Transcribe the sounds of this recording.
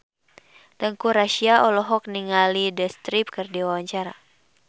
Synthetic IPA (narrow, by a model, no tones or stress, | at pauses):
t̪əŋkuɾaʃiaʔɔlɔɦɔk̚niŋalidəst̪ɾip̚kɨrdiwawaɲt͡ʃaɾa̰